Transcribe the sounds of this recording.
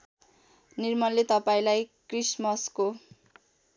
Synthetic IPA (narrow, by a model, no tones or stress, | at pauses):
nirmʌllet̪ʌpaĩlajkrismʌsko